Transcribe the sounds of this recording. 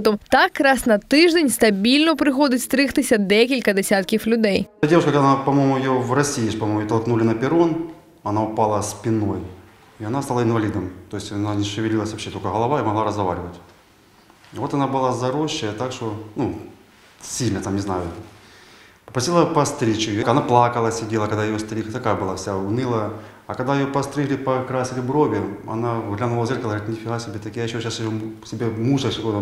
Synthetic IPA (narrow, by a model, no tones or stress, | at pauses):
t̪ɔmt̪akːɾasnɐt̪ɨʐdʲenʲst̪ɐbʲilʲnɐpɾɨxɔdʲɐt͡sʲst̪ɾɨxt̪ɨsʲɐd̪ɛkʲilʲkɐd̪ɛsʲat̪kʲiflʲʊd̪ɛjdʲevʊʂkək̪ɐnapɐmojmʊjɪjovrɐsʲijːʂpɐmomʊjot̪ɐlˠknulʲɪnɐpʲɪɾon | ɐnaʊpalˠɐsʲpʲɪnoj | iɐnast̪alˠaɪnvɐlʲid̪ɐmt̪o̞jɪsʲtʲɐnanʲɪʂɨvʲɪlʲilˠəsʲvɐpɕːet̪olʲkəɣɐlˠɐvaɪmɐɣlˠaɾəzɣɐva̰ɾʲɪvətʲ | ivo̞t̪ɐnabɨlˠazɐɾoɕːəjət̪akʂt̪onu | sʲilʲnət̪amnʲɪznajʊ | pəpɾɐsʲilˠəpɐst̪ɾʲit͡ɕɪjokɐnaplˠakəlˠəsʲɪdʲelˠəkɐɡd̪ajɪjost̪ɾʲixət̪ɐkajəbɨlˠafsʲaʊnʲilˠə | ɐkɐɡd̪ajɪjopɐst̪ɾʲiɣlʲɪpɐkɾasʲɪlʲɪbɾobʲɪɐ̰naɣlʲamnɐvozʲerkəlˠəɣəɾit̪ʲnʲɪfʲɪɦasʲɪbʲet̪ɐkʲijajɪɕːoɕasɪjosʲɪbʲemusəksʲɪkojn